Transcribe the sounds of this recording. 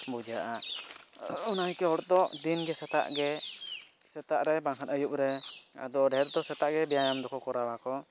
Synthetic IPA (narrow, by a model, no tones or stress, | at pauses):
bud͡ʒaʔa | unaɦikɛɦɔɽd̪ɔd̪inɡɛsɛt̪a̰ʔɡɛ | sɛt̪aʔɾɛbãŋkʰanəjuʔ̚ɾɛa̰d̪ɔɖʱɛɾd̪ɔsɛt̪aʔɡɛbɛjajamd̪ɔkɔkɔɾawakɔ